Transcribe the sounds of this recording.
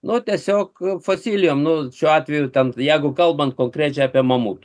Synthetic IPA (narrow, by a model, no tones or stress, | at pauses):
nʊt̪ʲiɛsʲoːkfoːsʲiːlʲɪjoːmnʊʃʲuːɑːt̪ʲʋʲɛjʊt̪ʲɛnjɛɪɡʊkɐlˠbɐnt̪̚koːŋkɾʲæːt͡ʃʲɛɪɑːpʲiɛmɐmuːt̪ː